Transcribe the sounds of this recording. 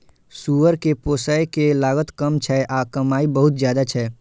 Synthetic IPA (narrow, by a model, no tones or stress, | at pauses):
suːʋəɾkepoːsəekelaːɡət̪kəmt͡ʃʰɛʔakɐmaːibəɦʊt̪zjaːd̪at͡ʃʰɛ